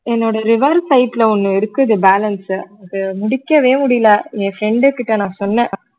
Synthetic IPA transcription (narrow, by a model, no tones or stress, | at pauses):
ɛnːoːɽɐɾɪʋɐɾsɐɪʈːlɐɔnːɯɪɾɯkːɯɐðɯbaːlɐnsɐðɯmʊɽɪkːɐʋeːmʊɽɪjlaːẽːfɾɛɳɖɯkɪʈːɐnãːsɔnːɛ̃ː